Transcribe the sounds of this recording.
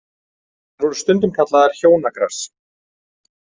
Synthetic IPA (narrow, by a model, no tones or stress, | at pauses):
anvɔɾʏst̪ʏnt̪̬ʏmkʰat̪laðaɾ̥çoːwnakɾar̥s